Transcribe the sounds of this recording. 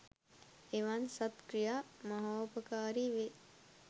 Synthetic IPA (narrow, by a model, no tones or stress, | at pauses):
eʋansɐt̪kɾijaːmaɦaopəkaːɾiʋe